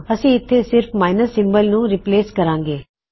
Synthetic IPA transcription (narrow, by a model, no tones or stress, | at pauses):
əsĩːɪt̪ʰːesɪɾpʰmaːɪnəsːɪ̃mbəlnũːɾɪpleːskəɾãːŋɡeː